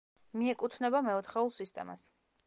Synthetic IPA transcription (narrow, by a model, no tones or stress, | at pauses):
miɛkʼut̪ʰnɛbamɛɔt̪ʰχɛulˠsist̪ʼɛ̰ma̰s